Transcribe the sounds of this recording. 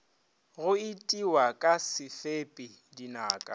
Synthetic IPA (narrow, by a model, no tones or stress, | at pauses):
ɣʊɪtʼiwakʼasɪfepʼɪ | dinaːkʼa